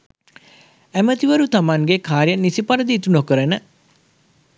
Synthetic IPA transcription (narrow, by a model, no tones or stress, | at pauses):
æmət̪iʋəɾut̪amaŋɡekaːɾijɐnːisipɐɾəd̪iːt̪unokəɾənə